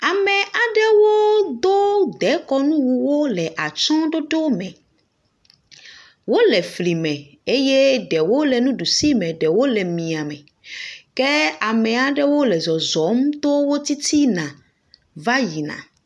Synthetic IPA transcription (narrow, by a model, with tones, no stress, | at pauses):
a˨mɛ̃˨ʔa˨ɖɛ˦wo˦d̪o˦d̪ɛ˨˦kɔ˦nũ˦wu˨wo˦lɛ˨ʔa˨t͡ʃɔ̃˦ɖo˦ɖo˦mɛ̃˨ | wo˦lɛ˨fli˨mɛ̃˨ | e˦je˦ɖɛ˨wo˦lɛ˨nũ˦ɖu˨si˦mɛ̃˨ɖɛ˨wo˦lɛ˨mĩ˨a˨mɛ˨ | kɛ˦a˨mɛ̃˨a˨ɖɛ˦wo˦lɛ˨zɔ˨zɔ˨˦m˦t̪o˦wo˦t̪i˦t̪i˦nã˨ | va˦ji˨nã̰˨